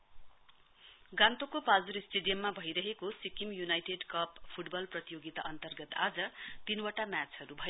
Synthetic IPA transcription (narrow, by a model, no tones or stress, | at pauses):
ɡãnt̪okopad͡zuɾisʈeɖijʌmːabʱʌjɾʌɦekosikimjunajʈeɖkʌppʰuʈbʌlprʌt̪ijoɡit̪aʔʌnt̪ʌrɡʌt̪ad͡zʌt̪inwaʈamjat͡sɦʌɾubʱʌjo